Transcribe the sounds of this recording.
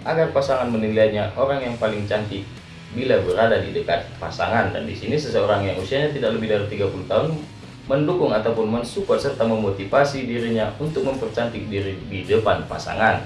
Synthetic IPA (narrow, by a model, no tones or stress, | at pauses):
ʔaɡarpasaŋanmənilajɲaʔoɾaŋjaŋpalɪŋt͡ʃant̪ɪk̚ | bilabəɾadadidəkat̪̚pa̰sa̰ŋanda̰ndisinisəsəoɾaŋjaŋusiaɲat̪idak̚ləbɪhdaɾit̪iɡapuluht̪aɦʊn | məndukʊŋat̪awpʊnmənsupɔrsərt̪aməmot̪ifasidiɾiɲaunt̪ʊk̚məmpərt͡ʃant̪ɪk̚diɾididəpanpa̰sa̰ŋan